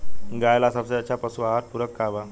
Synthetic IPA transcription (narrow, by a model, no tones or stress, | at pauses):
ɡajlasabsəat͡ɕapəsuaɦat̪̚puɾəkːaʋa